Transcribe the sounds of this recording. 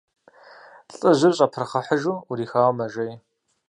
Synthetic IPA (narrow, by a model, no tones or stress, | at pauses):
ɬʼɨʑʷɪrɕʼɐpʰrɨχɐħəʒuuɾiːxaːwmɐʒɐj